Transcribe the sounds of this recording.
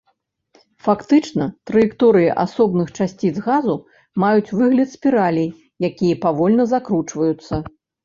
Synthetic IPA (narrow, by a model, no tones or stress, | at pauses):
fakt̪ɨt͡ʂnɐt̪ɾɐjikt̪ɔɾɨjḭʔa̰sɔbnɨxt͡ʂasʲt͡sʲid̪zɣazu | majut͡sʲvɨɣlʲɐt̪sʲpʲiɾalʲij | jakʲijɐpavɔlʲnɐzakɾut͡ʂvɐjut̪sːɐ